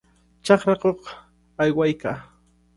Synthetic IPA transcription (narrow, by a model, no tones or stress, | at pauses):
t͡ʃɑχɾakoq | ajwajkaː